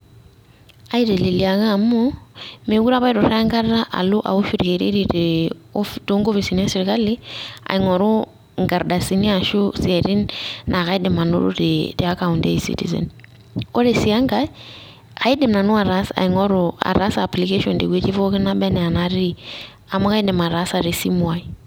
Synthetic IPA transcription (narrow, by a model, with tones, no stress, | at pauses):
a˦i˦ɾe˨li˨li˨a˨ŋa˦˨mu˦me˨˦ɡu˦ɾa˦βa˦i˦ɾʊ˨ɾŋɡa˦ɾda˦ʔa̰˨lʊ˦ʔa̰˨u˦ʃu˦ɾi˨ke˨ɾḭ˦ɾi˨te˨fto˦ŋɡo˦fi˨si˨n˦a˦si˨ɾka˦li˦a̰˨ɪ˨ŋɔ˨ɾu˦ | ŋɡa˨ɾda˨si˦ni˦a˨ʃu˦si˨ɛ˨ɾi˦nna˨ka˦i˦dɪ˨ma˨nṵ˦ɾṵ˦ɾḛte˨a˦ka˨u˨ndḛ˦i˨sḭ˦tḭ˨zɛ̰˨n | ko˦ɾe˨si˨a˦ŋɡa˦ | a˨i˦dɪ˨mna˨nʊ˦a˨ɾa˦sa̰˨i˨ŋɔ˦ɾu˨a̰˨ɾa˦saː˨pli˨ke˦ʃɔ˨ndḛ˨ɡwe˦t͡ʃi˦fo˦kɪ˦na˦bɛ˦nɛ˨a˨na˦ɾi˦ɾi˨ | a˨ma˦ka˦i˦dɛ˨ma˨ɾa˦sa˨ɾe˨si˦mwa˨i˨